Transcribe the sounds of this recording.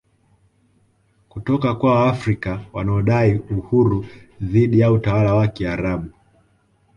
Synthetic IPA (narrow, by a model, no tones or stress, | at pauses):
kutɔkakwawaafɾikawanaɔɗaiuhuɾuðiɗijautawalawakiaɾaɓu